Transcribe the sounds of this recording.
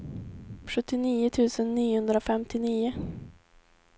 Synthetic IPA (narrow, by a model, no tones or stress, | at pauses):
ɧɵt̪ːɪniːʊt̪ʰʉ̟ːsənːiːhɵnd̪ɾafɛmt̪ʰɪniːʊ